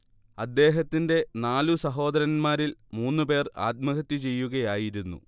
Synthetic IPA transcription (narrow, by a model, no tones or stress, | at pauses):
ɐd̪ːe̞ːɦɐt̪ːinde̞naːlusɐɦo̞ːd̪ɐɾɐnmaːɾilmuːnːɨpe̞ːra̰ːt̪̚mɐɣɐt̪ːit͡ɕe̞jːuɣɐjaːjiɾunːṵ